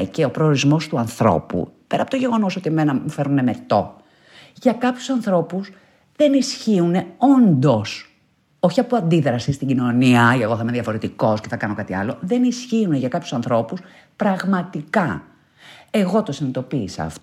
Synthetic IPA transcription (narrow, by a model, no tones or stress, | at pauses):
ceo̞pɾo̞ːɾizmo̞st̪uɐnθɾo̞̰pṵpe̞ɾɐpo̞t̪oʝe̞ɣo̞no̞so̞t̪ieme̞nɐmufe̞ɾune̞me̞t̪o̞ | ʝɐkɐpçu̥sɐnθɾo̞pus | ðe̞nisçiune̞o̞nd̪o̞s | o̞çiɐpuɐnd̪iðɾɐsist̪iɲɟino̞niɐeɣo̞θɐimeðiɐfo̞ɾet̪iko̞sceθɐkɐno̞kɐt̪iɐ̰lo̞ðe̞nisçiune̞ʝɐkɐpçu̥sɐnθɾo̞pus | pɾɐɣmɐt̪ikɐ | e̞ɣo̞t̪o̞sinit̪o̞piːsɐ̰ːft